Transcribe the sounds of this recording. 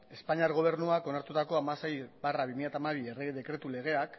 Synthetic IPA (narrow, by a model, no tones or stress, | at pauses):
e̞spaɲiaɾɣ̞o̞β̞e̞ɾnuako̞naɾt̪ut̪ako̞amasejbaraβimiʎjat̪amaβ̞iereðe̞kɾe̞t̪ule̞ɣ̞e̞ak